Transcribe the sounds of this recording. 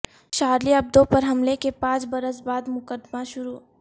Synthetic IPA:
ʃaːɾliɐb̚d̪õpɐɾɦɐmlekepãːt͡ʃbɐɾəs̬baːd̪mʊkəd̪maʃʊɾuː

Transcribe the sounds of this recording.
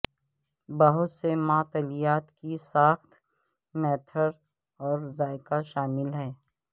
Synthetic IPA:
bɐɦʊt̪semãːt̪əlijaːt̪kisaːxt̪ | mɛːt̪ʰəɾ | ɔːɾzaːɪkaʃaːmɪlɦɛː

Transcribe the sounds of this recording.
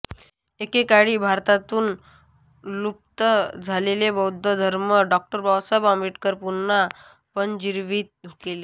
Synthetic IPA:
ekekaɽiːbʱaɾt̪at̪uːn | lup̚t̪əd͡zʱalelebəwd̪ʱːəd̪ʱəɾməɖɔk̚ʈəɾbawsəbamiʈkəɾpunːa | pənd͡ʑiɾʋiːt̪̚d̪ʱukele

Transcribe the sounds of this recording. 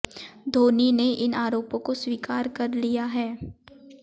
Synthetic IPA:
d̪ʱoːnineʔɪnaːɾoːpõkoswiːkaːɾkɐɾlijaɦɛː

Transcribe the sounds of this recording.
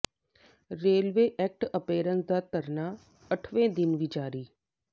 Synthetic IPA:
ɾeːlʋeːʔɛːk̚ʈəpeːɾənsd̪aːt̪əɾnaː | əʈʰʋẽːd̪ɪnʋiːd͡ʒaːɾiː

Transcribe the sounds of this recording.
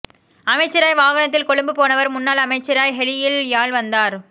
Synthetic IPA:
ɐmɐɪt͡ʃːɐɾaːjʋaːɣɐnɐt̪ːɪlkɔɭɯmbɯpoːnɐʋɐɾmʊnːaːlɐmɐɪt͡ʃːɐɾaːjɦɛɭɪjɪljaːɭʋɐnd̪aːɾ

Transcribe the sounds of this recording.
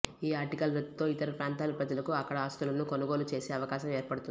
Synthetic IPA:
iːaːɾʈikɐlɾed̪it̪o̞ːit̪ɐɾɐpɾaːnt̪aːlɐpɾɐd͡ʒɐlɐkuɐkːɐɽɐaːst̪ulɐnːuko̞nɐɡo̞ːlut͡ʃe̞ːse̞ːɐʋɐkaːʃɐmeːɾpɐɽut̪uni

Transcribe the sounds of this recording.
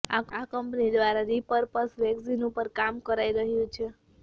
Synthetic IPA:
aakəmpnid̪ʋaɾaɾipəɾpəsʋɛksinupəɾkamkəɾaiɾəɦjũt͡ʃʰe

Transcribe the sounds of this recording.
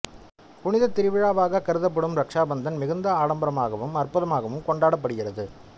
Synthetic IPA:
pʊnɪðɐt̪ːɪɾɪʋɪɻaːʋaːɣɐkɐɾɯðɐp̬ːɐɽɯmɾɐkʂaːbɐnd̪ɐnmɪɣɯnd̪ɐaːɽɐmbɐɾɐmaːɣɐʋɯmɐrpʊðɐmaːɣɐʋɯmkɔɳɖaːɽɐp̬ːɐɽɯɣɪrɐðɯ

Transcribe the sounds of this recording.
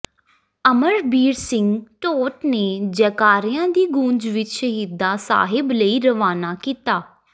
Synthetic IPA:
əməɾbiːɾsɪŋɡʈoːʈneːd͡ʒɛːkaːɾɪjãːd̪iːɡũːnd͡ʒʋɪt͡ʃʃəɦiːd̪aːsa̰ːɦɪbləiːɾəʋaːnaːkiːt̪aː

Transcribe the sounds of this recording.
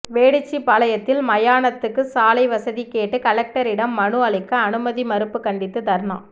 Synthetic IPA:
ʋeːɽɯt͡ʃːipɐlɐjɐt̪ːɪlmɐjaːnɐt̪ːɯkːɯsaːlɐɪʋɐsɐðikeːʈːɯkɐlɛk̚ʈɐɾɪɽɐmːɐɳɯɐɭɪkːɐːnɯmɐðimɐɾɯpːɯkɐɳɖɪt̪ːɯt̪ɐɾɳa̰ː

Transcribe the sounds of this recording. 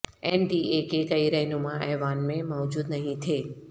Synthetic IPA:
ɛnɖiekekɐiɾɛɦnũmãʔɛːʋaːnmẽmɔːd͡ʒuːd̪nəɦĩt̪ʰeː

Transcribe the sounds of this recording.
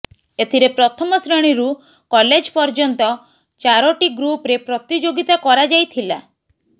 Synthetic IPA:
et̪ʰiɾepɾɔt̪ʰɔmɔsɾeɽ̃iɾu | kɔled͡ʒpɔɾd͡ʒɔnt̪ɔ | t͡ʃaɾɔʈiɡɾupɾepɾɔt̪id͡ʒoɡit̪akɔɾad͡ʒajt̪ʰila̰

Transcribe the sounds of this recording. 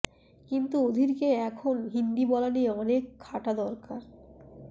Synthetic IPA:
kint̪uod̪ʱiɾkeɛkʰonɦind̪ibɔlanieɔnekʰːaʈad̪ɔɾkaɾ

